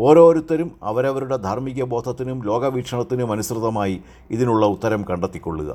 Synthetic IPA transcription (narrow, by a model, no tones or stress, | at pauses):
o̞ːɾo̞ːɾut̪ːɐɾumɐ̰ʋɐɾɐʋɐɾuɽe̞d̪ʱarmiɣɐbo̞ːt̪ʰɐt̪ːinumlo̞ːɡɐʋiːkʂɐɳɐt̪ːinɨmɐnusrɨðːɐmaːji | iðinuɭːɐut̪ːɐɾɐmkɐɳɖet̪ːikʲːo̞̰ɭːṵɣɐ̰